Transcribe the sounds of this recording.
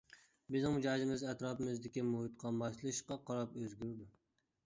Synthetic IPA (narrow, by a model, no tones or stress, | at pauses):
bɪznɪŋmd͡ʒɑːd͡ʒɪmɪzɛt̪ɾɑːpɨmɪzd̪ɪkʲimuhɨt̪qʰɑmɑʃlˠɨʃqɑqʰɑɾɑpøzɡʲyɾd̪u